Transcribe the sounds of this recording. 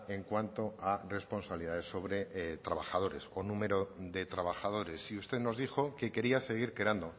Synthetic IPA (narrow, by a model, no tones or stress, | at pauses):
e̞ŋkwant̪o̞are̞spo̞nsaβliðaðe̞sːo̞βɾe̞t̪ɾaβaxað̞o̞ɾe̞sonũme̞ɾo̞ðe̞t̪ɾaβaxað̞o̞ɾe̞siust̪e̞ðno̞zðixo̞ke̞ke̞ɾiase̞ɣ̞iɾke̞ɾand̪o